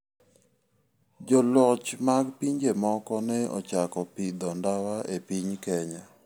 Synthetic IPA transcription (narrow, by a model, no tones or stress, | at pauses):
d͡ʒɔlɔt͡ʃmaɡpiɲd͡ʒemɔkɔnɛɔ̰t͡ʃakɔpid̪ɔndawaʔepiɲkɛɲa